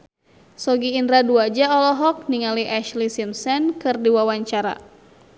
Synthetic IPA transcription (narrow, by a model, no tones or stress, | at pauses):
sɔɡiːndɾaduad͡ʒaɔlɔɦɔk̚niŋaliʔaʃlisimsɛnkɨrdiwawaɲt͡ʃaɾa̰